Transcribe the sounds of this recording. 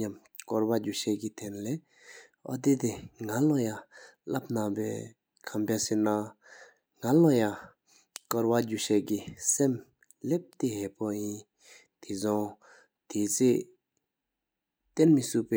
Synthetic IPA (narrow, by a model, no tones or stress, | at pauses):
ɲam | kɔɹwad͡ʑuɕeɡit̪ʰɛnlɛ | ɔ̰d̪it̪eŋalɔjalap̚napɛ̰ː | kʰampesena | ŋalɔja | kɔɹwad͡ʑuɕɛʔɡisem | lep̚t̪iɦepɔjin | t̪ʰizɔŋ | t̪ʰiːt͡sʰe | t̪enmisupɛ